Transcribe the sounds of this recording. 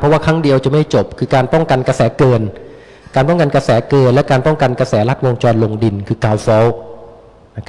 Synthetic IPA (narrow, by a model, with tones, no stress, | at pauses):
pʰɔ˦˥waː˥˩kʰɾaː˦˥˩ŋdi˧əwt͡ɕa˨˩ma˥˩jt͡ɕo˨˩p̚kʰɯː˧kaː˧npɔ˥˩ŋka˧nka˧sɛː˩˦kɤː˧n | kaː˧npɔ˥˩ŋka˧nkɾa˧sɛː˩˦kɤː˧nlɛ˦˥kaː˧npɔ˥˩ŋka˧nka˧sɛː˩˦la˦˥t̪̚wo˧ŋt͡ɕɔː˧nlo˧ŋdi˧nkʰɯː˧kaː˧wfɔː˦˥w | na˦˥kʰ